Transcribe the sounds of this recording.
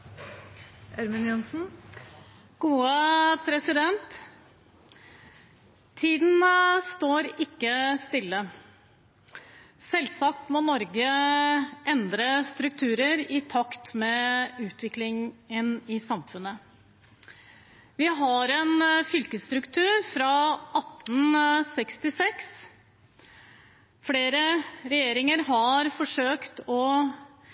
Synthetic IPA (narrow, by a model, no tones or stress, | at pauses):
ʔæɾmʉnjʊnsn̩ | ɡ̥uːəpʰɾɛsɪd̪ɛnt̪ | iːd̪n̩st̪oːɾɪkːəst̪ɪlːə | sɛlsɑk̚t̪mɔnɔɾɡə | ʔɛnd̪ɾəst̪ɾʉk̚t̪ʰʉːɾəɾɪt̪ʰɑkt̪mɛʉːt̪ʋɪklɪŋənɪsɑmfʉnːə | ʋɪɦɑɾɛnfʏlkəst̪ɾʉkt̪ʰʉːɾfɾɑʔɑt̪ːn̩sɛkst̪ɪsɛks | fɽeːɾəɾɛjeːɾɪŋəɾɦɑɾfɔʂøːkt̪ɔ